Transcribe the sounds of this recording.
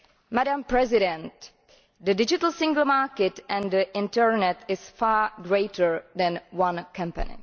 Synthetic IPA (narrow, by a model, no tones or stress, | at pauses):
mædãmpɹɛzɪɾɛ̃nt | dədɪd͡ʒɪtəl̩ˠsɪ̃ŋɡl̩ˠmaɹkɛtʔɛ̃nd̪əʔɪ̃ntəɹnɛtɪsfaːɡɹeɪtə˞ðɛ̃nwãnkʰʌ̃mpə̰nɪ̰